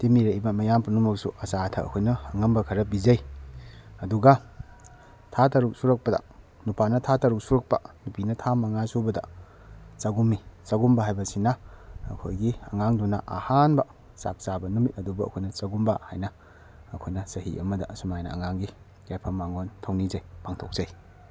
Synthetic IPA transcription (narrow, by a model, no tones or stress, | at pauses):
timiɾɐibɐmɐjampunumɐk̚suʔɐsatʰɐ̰ɐ̰kʰojnɐɐŋɐmbɐkʰɐɾɐbizɐj | ɐduɡɐ | tʰatɐɾuk̚suɾɐk̚pɐdɐ̰ | nupʰanɐtʰatɐɾuk̚suɾɐk̚pɐ̰nupinɐtʰamaŋasubɐdɐ̰ | saɡumːisɐɡumbɐɦajbɐsinɐ̰ːkʰojɡiɐŋaŋdunɐ̰ʔɐhanbɐ | sa̰k̚sabɐnumit̚ɐdubɐ̰ːkʰojnɐsɐɡumbɐha̰jnɐː | kʰojnɐsɐhḭʔɐmɐdɐsumajnɐ̰ɐ̰ŋaŋɡi | ɡajpʰɐmaŋontʰɐwnizɐjpʰaŋtʰok̚z̥aj